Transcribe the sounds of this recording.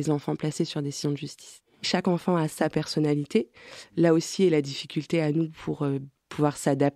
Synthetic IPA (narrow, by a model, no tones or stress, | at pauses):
ezɑ̃fɑ̃plasesyʁd̪esizjɔ̃d̪əʒyst̪i̥s | ʃakɑ̃fɑ̃asapɛʁsɔnalit̪elaosiɛlad̪ifikʲylt̪eanupʰuʁø | pʰuvwaʁsad̪ap̚